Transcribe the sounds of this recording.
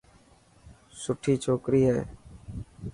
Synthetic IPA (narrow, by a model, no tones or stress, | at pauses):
sʊʈʰiːt͡ʃʰoːkɾiːɦɛː